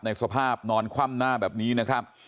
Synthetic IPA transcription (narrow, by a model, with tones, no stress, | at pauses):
na˧jsa˧pʰaː˥˩p̚nɔː˧nkʰaː˥˩mnaː˥˩bɛː˨˩p̚niː˦˥na˦˥kʰɾa˦˥p̚